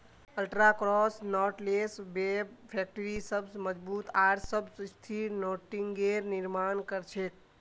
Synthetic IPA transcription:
əlʈɾakɾɔsnɔʈlesbebpʰek̚ʈəɾisəbsməd͡ʒbut̪aɾsəbsst̪ʰiɾnoʈiŋɡeɾniɾmankəɾt͡ʃʰek̚

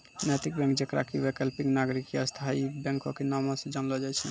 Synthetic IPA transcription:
nɛt̪ik̚bɛ̃ŋkd͡ʒekɾa̰kiwekəlpĩŋnaɡɾikiast̪ʰaibɛ̃ŋkokenamɔ̃sẽd͡ʒanlɔd͡ʒajt͡ʃʰɛ

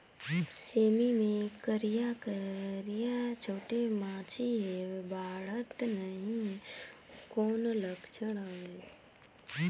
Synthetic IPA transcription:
seːmimẽkəɾijakəɾijat͡ʃʰoːʈemãːt͡ʃʰiɦebʱaːɽət̪nəɦĩɦ | koːnləɡt͡ʃəɽaɦe

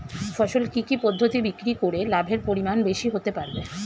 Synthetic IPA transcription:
fɔʃolkikipɔd̪ʱːot̪ibikɾikoɾelabʱeɾpoɾimanbeʃiɦot̪epaɾbe

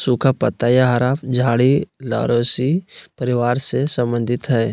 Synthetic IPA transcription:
sukʰapət̪ːajaɦəɾaːpd͡ʒʱaːɽila̰ːɾoːsipəɾɪʋaːɾsesə̃mbə̃nd̪ʱɪt̪ɦɛː

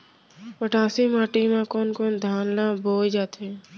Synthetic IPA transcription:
pəʈãːsimaːʈimãkoːnkoːnd̪ʱaːnlãːboːjd͡ʒaːt̪e

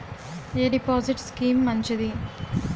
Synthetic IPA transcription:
eːɖipoːziʈskiːmːɐɲt͡ʃid̪i

